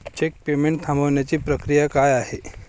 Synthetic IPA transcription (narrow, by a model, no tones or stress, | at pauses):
t͡ɕek̚pemeɳʈ̚t̪ʰãmbəʋɳjat͡ɕiːpɾəkɾijakajaɦe